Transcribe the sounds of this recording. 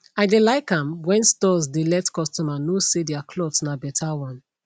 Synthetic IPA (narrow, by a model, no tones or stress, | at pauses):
aɪdelaɪkãmwɛ̃nstɔzdelɛtkɔstɔmanosediakʰlɔtsnabɛtʰawɔ̃n